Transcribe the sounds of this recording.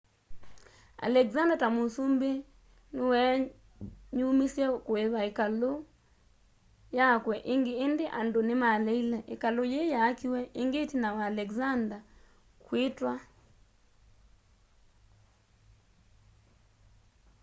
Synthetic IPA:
a̰lɛkzandatamosumbe | nowɛ | ɲumisjɛkoeβaekalo | jakwɛʔeŋɡeːndeʔandonemalɛilɛʔekalojejaːkiwɛeŋɡetinawaːlɛkzanda | kwetwa

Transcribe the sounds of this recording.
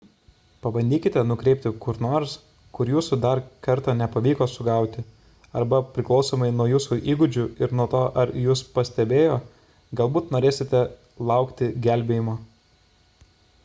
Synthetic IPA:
pɐbɐnʲd̪ʲiːkʲɪt̪ʲɛnʊkɾʲɛɪpʲt̪ʲɪkʊɾnoːɾs | kʊɾjuːsud̪ɐɾkɐɾt̪ɑːnʲɛpɐʋʲiːkoːsʊɡɐˑʊt̪ʲɪ | ɐɾbɐpʲɾʲɪklˠɒʊsoːmɐɪnuɔjuːsuʔiːɡʊd͡ʒʲʊɪɾnuɔt̪oːʔɐɾjuːspɐsʲt̪ʲɛbʲeːjoː | ɡɐlˠbuːt̪noːɾʲeːsʲɪt̪ʲɛ | lˠɐˑʊkt̪ʲɪɡʲæˑlʲbʲeːjɪmoː

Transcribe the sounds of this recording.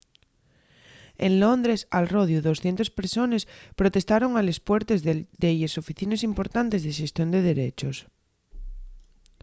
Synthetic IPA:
enlond̪ɾesalroð̞juðo̞sθje̞nt̪ospeɾso̞nespɾot̪e̞st̪aɾo̞ŋalespweɾt̪ezd̪ejeso̞fiθinesimpo̞ɾt̪ant̪e̞zðeʃe̞st̪jo̞nd̪eð̞e̞ɾet͡ʃos

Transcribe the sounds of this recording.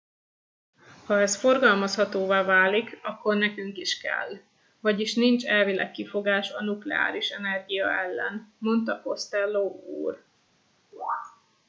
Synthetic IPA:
hɒɛsfo̞rɡɒlmɒshɒt̪oːvaːvaːlikɒkːornɛkyŋkiʃkɛ̰l | vɒɟiʃnint͡ʃɛlvilɛ̰kːifo̞ɡaːʃɒnuklɛ̰a̰ːɾiʃɛnɛrɡijɒ̰ʔɛlːɛnmo̞nt̪ɒko̞st̪ɛlːoːṵːr

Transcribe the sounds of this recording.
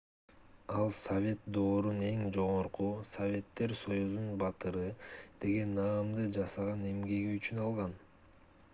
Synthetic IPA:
ɑlˠsɐvʲe̞t̪̚d̪o̞ːɾune̞ŋd͡ʒo̞ʁo̞ɾqusɐvʲe̞t̪ːe̞ɾso̞juzunbɑt̪ɯɾɯd̪̥e̞ɡe̞nːɑːmd̪ɯd͡ʒɑsɑʁɑne̞mɡe̞ɡiyt͡ʃynɑlˠʁɑn

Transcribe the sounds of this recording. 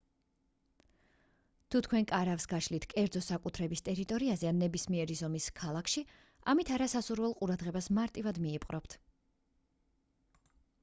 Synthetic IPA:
t̪ʰut̪ʰkʰwɛnkʼaɾafsɡaʃlit̪ʰkʼɛɾd̪zɔsakʼut̪ʰɾɛbist̪ʼɛɾit̪ʼɔɾiazɛanːɛbismiɛɾizɔmiskʰalˠakʰʃi | a̰mit̪ʰaɾasasuɾvɛlˠqʼuɾad̪ʁɛbasmaɾt̪ʼivad̪miːpʼqʼɾɔpt̪ʰ

